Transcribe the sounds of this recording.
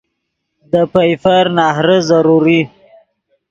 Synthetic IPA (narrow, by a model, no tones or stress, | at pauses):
d̪əpajfaɾnɑɦɾəzaɾuɾi